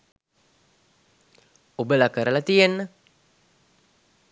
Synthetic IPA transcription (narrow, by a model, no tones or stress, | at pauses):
ubəlakəɾəlat̪iənː